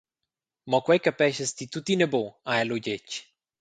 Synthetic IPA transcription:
mɔkwɛjkapɛʃəst̪it̪ut̪ineboaɛloɟet͡ʃ

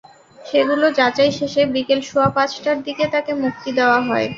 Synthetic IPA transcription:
ʃeɡulod͡ʑat͡ɕajʃeʃebikelʃuapat͡ɕʰʈaɾd̪iket̪akemuk̚t̪id̪eoaɦɔe

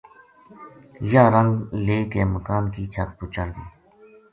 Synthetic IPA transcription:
jaːɾəŋɡleːkeːməkaːnkiːt͡ʃʰɐt̪̚put͡ʃəlbiː

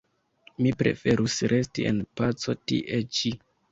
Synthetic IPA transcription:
mipɾe̞̰fe̞ɾusɾʔe̞stie̞npat͡so̞tḭʔe̞t͡ʃi

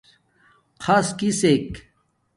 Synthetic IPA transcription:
qʰaskisek

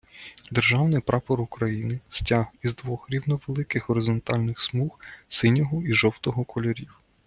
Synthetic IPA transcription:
d̪erʒɑwnɪjpɾʔɑpɔɾukɾɐjinɪstʲaɦizd̪ʋɔxɾʲiwnɔʋelˠɪkɪxɦɔɾɪzɔnt̪ɑlʲnɪxsmuxsɪnʲɔɦɔiʒɔwt̪ɔɦɔkʰɔlʲɔɾʲiw

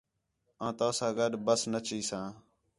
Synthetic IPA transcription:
ãːt̪ãːsãːɡəɗbəsnət͡ʃiːsãː

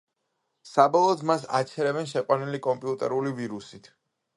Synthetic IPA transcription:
sabɔlˠɔːd̪ʰmasa̰t͡ʃʰɛɾɛbɛnʃ̬ɛqʼwanilikʼɔmpʼiut̪ʼɛɾuliviɾusit̪ʰ

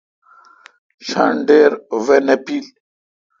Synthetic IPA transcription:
ɕa̰ɳɖeɾvenepil

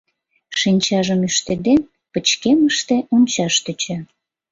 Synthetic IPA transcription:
ʃinʲt͡ɕɑʒəmyʃt̪ed̪en | pət͡ɕkeməʃt̪eʔunʲt͡ɕɑʃt̪øt͡ɕe

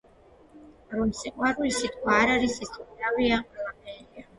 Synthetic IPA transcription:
ɾɔmsɛqʼwaɾulisit̪̚ʰʼkʰwaːɾaɾisisʼɾaviamʼɛlapʰɛːɾia

